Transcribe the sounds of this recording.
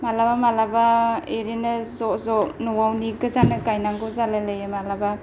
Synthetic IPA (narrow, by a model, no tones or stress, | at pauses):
malabamalabaeɾinɯzɔzɔnɔwawniɡɯzanɯkajnaŋɡɔzalalajemalaba